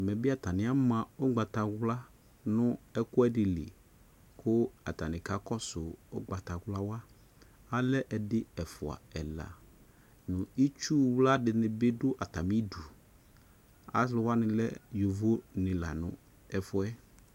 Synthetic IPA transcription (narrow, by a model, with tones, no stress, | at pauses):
mɛ̃˨bɪ˦a˨ta˨nɪ̃˦a˦mã˨ʊ˦ɡ͡ba˨ta˨ɣla˦ | nʊ̃˦ɛ˦kʊ˦ɛ˦dɪ˨lɪ̰˨ | kʰʊ˦a̰˨ta˨nɪ̃˨ka˨˦kɔ˦sʊ˨ʊ̰˦ɡ͡ba˨ta˨ɣla˦wa˦ | a˦lɛ˦ʔɛ˨dɪ˦ɛ˨fʊ˨a̰˨ɛ˨la̰˨ | nʊ̃˨i˦t͡ʃu˦wla˦dɪ˨nɪ̃˨bɪ˦dʊ˦ʔa˨ta˨mi˦du˨ | a̰˦slʊ˨˦wa˦nɪ̃˨lɛ̰˦jo˨vo˦nɪ̃˨la̰˨nʊ̰̃˨ | ɛ˨fʊ˦ɛ˦